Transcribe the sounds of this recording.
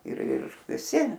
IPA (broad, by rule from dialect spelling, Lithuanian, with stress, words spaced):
ɪr ˈɪr ʋʲɪˈsʲɪ